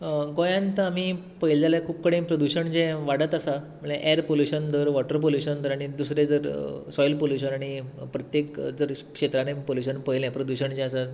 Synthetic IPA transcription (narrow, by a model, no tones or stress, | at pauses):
ɡojãnt̪əam̤iː | pəɦild͡zaljakʰuːb̚kəɽẽpɾəd̪uɕəɳd͡ʑɛ̃ʋaɽət̪asa | məɳeʔɛɾpoljuɕənt̪əɾʋɔʈəɾp̬oljuɕənt̪d̪əɾaɽ̃id̪usɾed͡zəɾsɔjlpoljuɕənaɽ̃ipɾət̪jekd͡zəɾkʂet̪ɾanepoljuɕ̬ənpəjlɛ̃pɾəd̪uɕəɳd͡ʑɛ̃asa